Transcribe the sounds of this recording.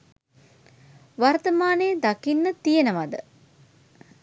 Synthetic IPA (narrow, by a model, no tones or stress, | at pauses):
ʋart̪əmaːneːd̪akinːət̪ijenəʋad̪ə̰